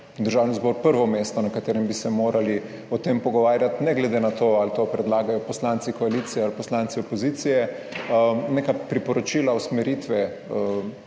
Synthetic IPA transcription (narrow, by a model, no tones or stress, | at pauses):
d̪əɾʒaːwnizbɔɾpəɾʋɔmeːst̪ɔnɐkat̪eːɾɛmbisɛmoːɾali | ɔt̪empɔɡɔʋaːɾjat̪nɛɡlɛd̪enat̪oːalt̪opɾɛd̪laːɡajɔpɔslant̪sikɔaliːt̪sijɛalpɔslant̪siɔpɔziːt̪sijɛ | nekapɾipɔɾɔt͡ʃiːlawsmɛɾit̪ʋɛ